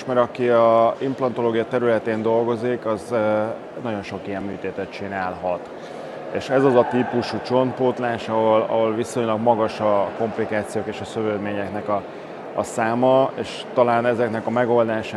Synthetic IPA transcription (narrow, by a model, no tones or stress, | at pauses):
ʃmɛɾɒkiɒimplɒnt̪o̞loːɡijɒt̪ɛɾylɛt̪eːnd̪o̞lɡo̞zikɒz | nɒɟo̞nʃo̞kijɛmːyːt̪eːt̪ɛt̪̚t͡ʃinaːlɦɒt̪ | ḛːʃɛzɒzɒt̪ipuʃut͡ʃo̞npoːt̪laːʃɒɦolɒ̰ɦo̞lviso̞ɲlɒɡmɒɡɒʃɒko̞mplikaːt̪sijoːkeːʃɒsøvøːd̪meːɲɛknɛkɒ̰ː | saːmɒeːʃ | t̪ɒlaːnɛzɛknɛkɒmɛɡo̞ld̪aːʃ